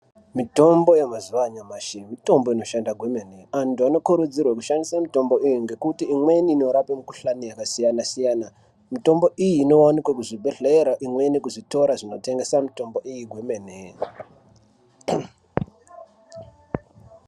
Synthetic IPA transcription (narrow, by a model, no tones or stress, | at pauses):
mito̞mbo̞jemazuʋaɲamaʃimito̞mbo̞ino̞ʃandaɡʱwemeneantuano̞kuɾud͡zirwakuʃandisamito̞mbo̞ʔijiŋɡe̞kutiːmweniːno̞ɾapemukuɬanijakasijanasijaːna | mito̞mbo̞ʔijiːno̞wanikwakuʐibʱeɮeɾaʔimwe̞nikuʐito̞ɾaʐino̞te̞ŋɡe̞samito̞mbo̞ʔijiɡʱwemene